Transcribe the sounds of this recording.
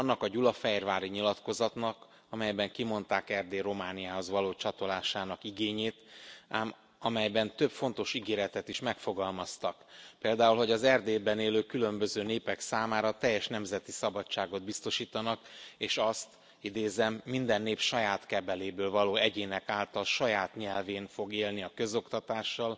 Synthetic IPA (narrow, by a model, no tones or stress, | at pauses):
nːɒkɒɟulɒfɛjrvaːɾiɲilɒt̪ko̞zɒt̪nɒk | ɒmɛjbɛŋkimo̞nt̪aːkɛrd̪eːɾo̞maːnijaːɦo̞zvɒloːt͡ʃɒt̪o̞laːʃaːnɒkiɡeːɲeːt̪aːm | ɒmɛjbɛnt̪øpfo̞nt̪o̞ʃiɡeːɾɛt̪ɛt̪iʃmɛkfo̞ɡɒlmɒst̪ɒkpeːld̪aːulɦo̞ɟɒzɛrd̪eːbɛneːløːkylø̞mbøzøːneːpɛksaːmaːɾɒt̪ɛjːɛʃnɛmzɛt̪isɒbɒt͡ʃt͡ʃːaːɡo̞d̪bist̪o̞ʃiːt̪ɒnɒkeːʃɒst̪ | id̪eːzɛmːind̪ɛnːeːpʃɒjaːt̪kɛbɛleːbøːlvɒloːɛɟeːnɛkaːlt̪ɒlʃɒjaːt̪ɲɛlveːnfo̞ɡeːlniɒkø̞zo̞kt̪ɒt̪aːʃːɒl